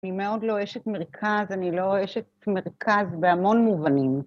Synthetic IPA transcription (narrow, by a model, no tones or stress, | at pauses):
nimeo̞dlo̞eʃetme̞ʁkʰazanilo̞eʃetme̞ʁkʰazbeamo̞nmuvanim